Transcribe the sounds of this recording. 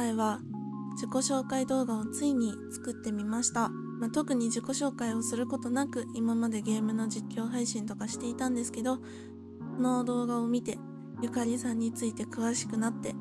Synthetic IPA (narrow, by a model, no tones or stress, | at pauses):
aiβa | d͡ʑiko̞ɕo̞ːkaid̪o̞ːɡao̞t͡sɨiɲ̟it͡sɨ̥kɯ̟t̪ːe̞mʲimaɕi̥t̪a | mat̪o̞kɯ̟ɲ̟iʑiko̞ɕo̞ːkaio̞sɨɾɯ̟ko̞t̪o̞nakɯ̟imamad̪e̞ɡe̞ːmɯ̟no̞d͡ʑikʲːo̞ːɦaiɕĩnt̪o̞kaɕi̥t̪e̞it̪ãnd̪e̞sɨ̥ke̞d̪o̞ | so̞no̞d̪o̞ːɡao̞mʲit̪e̞ | jɯ̟kaɾʲisãɲ̟ːit͡sɨit̪e̞kɯ̟βaɕi̥kɯ̟nat̪ːe̞